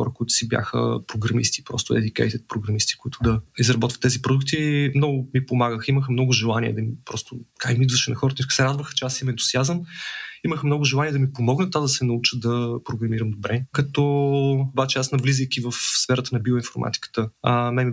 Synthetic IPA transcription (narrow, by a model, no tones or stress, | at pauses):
xɔ̰ɾəkʊit̪ʊ̥sibʲja̰xə̰pɾoɡɾɐmḭst̪i̥pɾɔ̰st̪ʊɛ̰d̪ikɛ̰jt̪ɛt̪̚pɾoɡɾɐmist̪i̥koʊit̪ʊd̪ɐizɾɐbɔt̪və̥t̪ːɛzipɾod̪uk̚t̪imnɔɡʊmipomaɡəximəxmnɔɡʊʒɛlˠaniɛ̰d̪ɐmipɾɔst̪ʊkakmid̪vəʃɛnɐxɔɾət̪ksɛɾad̪vəxt͡ʃɛasimɛnt̪ʊ̥siazəniməxmnɔɡʊʒɛlˠaniɛd̪ɐmipomɔɡnət̪ːvad̪ɐsɛnɐut͡ʃəd̪ɐpɾoɡɾɐmiɾəmd̪obɾɛkɐt̪ɔobat͡ʃɛasnɐvlizəjkʲivəfsfɛɾət̪ənɐbioinfoɾma̰t̪i̥kə̥t̪əmɛmi